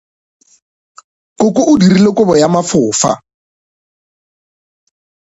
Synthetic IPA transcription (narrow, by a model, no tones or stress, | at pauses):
kokʼoʔʊdirilekʊbɔjamafʊːfa̰